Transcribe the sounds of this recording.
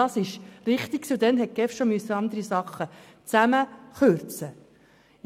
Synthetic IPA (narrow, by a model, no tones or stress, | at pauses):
ɑsɪʃɾɪχt̪iksʊd̪ɛnɦɛt̚kɛfʃomyøsːəɑnd̪əɾisɑχːə | t͡sæməχøɾt͡sə